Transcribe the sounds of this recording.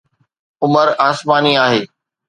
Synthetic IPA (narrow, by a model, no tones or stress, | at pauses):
ʊməɾaːsmaːniaːɦeː